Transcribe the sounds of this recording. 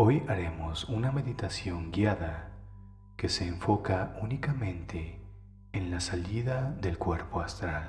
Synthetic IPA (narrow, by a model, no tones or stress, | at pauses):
o̞jaɾe̞mo̞suname̞ðit̪asjo̞ŋɡjaða | ke̞se̞ːɱfo̞kaunikamẽ̞nt̪ʰe̞ː | nlasaliðaðe̞lkwe̞ɾpo̞ast̪ɾal